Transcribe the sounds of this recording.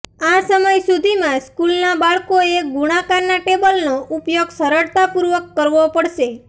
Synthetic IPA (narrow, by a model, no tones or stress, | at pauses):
asəməjsud̪ʱimãskulnabaɭkoeɡuɽ̃akaɾnaʈebəlnoʔupjoɡsəɾəɽt̪apuɾʋəkːəɾʋopəɽʃe